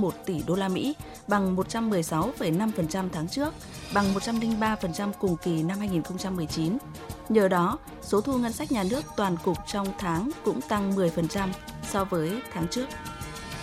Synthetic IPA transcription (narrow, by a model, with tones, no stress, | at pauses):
mo˨˩t̚t̪i˧˩ɗo˧laː˧mḭ˧˥ | ɓa˨˩ŋmo˨˩t̚t͡ɕa˧mːɨ˨˩əjsa˨˦wfə˧˩jna˧mfə˨˩nt͡ɕa˧mt̪ʰaː˨˦ŋt͡ɕɨ˦˥ək̚ | ɓa˨˩ŋmo˨˩t̚t͡ɕa˧mlï˧ŋɓaː˧fə˨˩nt͡ɕa˧mkʊ˨˩ŋ͡mki˨˩na˧mhaː˧jŋi˨˩nxə˧wŋ͡mt͡ɕa˧mːɨ˨˩əjt͡ɕi˨˦n | ɲəː˨˩ɗɔ˨˦ | so˨˦t̪ʰu˧ŋə˧nsa˦˥jk̚ɲaː˨˩nɨ˦˥ək̚t̪waː˨˩nkʊ˨˩k͡p̚t͡ɕɔ˧wŋ͡mt̪ʰaː˨˦ŋkʊ̰˧˥ŋ͡mt̪a˧ŋmɨ˨˩əjfə˨˩nt͡ɕa˧m | sɔ˧vəː˨˦jt̪ʰaː˨˦ŋt͡ɕɨ˦˥ək̚